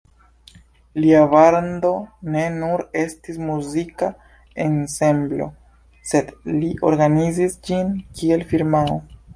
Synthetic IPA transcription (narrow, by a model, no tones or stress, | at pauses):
liabaɾndo̞ne̞nuɾe̞stismuzika | e̞nse̞mblo̞̰ | se̞dliʔo̞̰ɾɡanizisd͡ʒinkie̞lfiɾmao